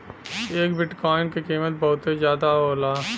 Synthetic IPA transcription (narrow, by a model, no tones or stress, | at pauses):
eːkbɪʈkɔːɪnkekiːmət̪̚bɐɦʊt̪ezjaːd̪aɦoːlaː